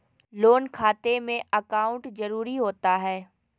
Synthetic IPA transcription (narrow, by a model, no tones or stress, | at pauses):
loːnkʰaːt̪emẽɐkaːʊ̃ɳʈzɐɾuːɾiɦoːt̪aɦɛː